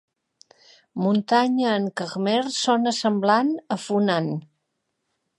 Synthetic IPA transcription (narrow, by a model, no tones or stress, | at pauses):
munt̪aɲəːŋkəɣmersɔnəsəmblanəfunan